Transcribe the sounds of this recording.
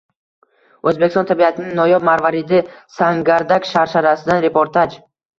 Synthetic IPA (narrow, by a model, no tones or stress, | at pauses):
ɵzbekʲst̪ɔnt̪ʰabiat̪ʰɪnɪŋnɒjɒb̚maɾvaɾid̪ɪsaŋɡaɾd̪akʃaɾʃaɾasɪd̪anɾe̞pʰoɾt̪ʰad͡ʒ